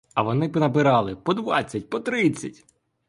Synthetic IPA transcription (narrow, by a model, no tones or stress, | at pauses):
ɐʋɔnɪpɪnɐpɪɾɑlˠɪpɔd̪ʋɑt͡sʲːɐt̚ʲpɔt̪ɾɪt͡sʲːɐtʲ